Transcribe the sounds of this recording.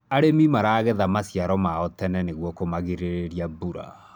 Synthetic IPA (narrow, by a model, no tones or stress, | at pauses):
aɾemimaɾaːɣeðamasiaɾɔmaɔtɛnɛneɣwɔkomaɣeɾeɾeɾiabuɾa̰